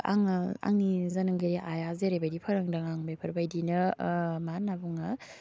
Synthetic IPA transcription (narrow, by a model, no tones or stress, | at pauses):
a̰ŋa̰ŋnizanɯŋɡɯɾiʔajazeɾejbajdipʰɐɾaŋdaŋaŋbajpʰɐɾbajdinɯmanːabuŋa